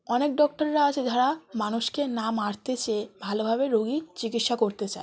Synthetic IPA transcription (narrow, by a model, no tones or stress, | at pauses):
ɔnek̚ɖɔk̚ʈaɾːaat͡ɕʰed͡ʑaɾamanuʃkenamaɾt̪et͡ɕebʱalobʱabeɾoɡit͡ɕikit̪ʃakoɾt̪et͡ɕae